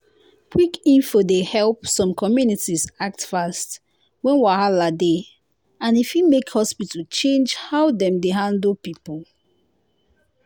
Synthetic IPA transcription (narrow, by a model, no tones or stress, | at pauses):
kʰwikĩnfodehɛlˠpsɔ̃mkʰɔmjunitizak̚tfast | wɛ̃nwiahalade | ãnifimekhɔspitət͡ʃẽnd͡ʒhaʊdɛ̃mdeɦãndəlpipɔl